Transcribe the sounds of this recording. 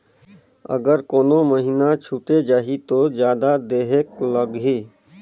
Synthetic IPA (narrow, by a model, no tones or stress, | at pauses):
ə̰ɡəɾkoːnoməɦinat͡ʃʰuːʈ̪ed͡ʒaːɦit̪od͡ʒjaːd̪ad̪eːɦek̚ləɡɦiː